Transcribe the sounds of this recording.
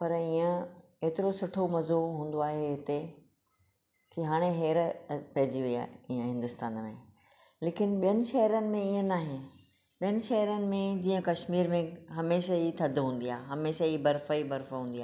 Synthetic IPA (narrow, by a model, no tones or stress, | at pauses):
pɐɾiːə̃ | eːt̪ɪɾosʊʈʰomɐzoɦũːn̆d̪oaːɦeɦɪt̪e | kiɦaːɽ̃eɦeːɾpɐɦɪd͡ʑiʋɐia̰ːiə̃ɦɪ̃nd̪ʊst̪aːnmḛ̃ | leːkɪnɓijənɪ̆ʃɐɦɾənɪ̆mẽiːə̃naːɦɪ̃n | ɓijənɪ̆ʃɐɦɾənɪ̆mẽd͡ʑiːə̃kɐʃmiːɾmẽɦɐmeːʃait̪ʰɐd̪ʱɦũːn̆d̪iaːɦeɦɐmeːʃaibɐɾfəibɐɾfɦũːnd̪iaː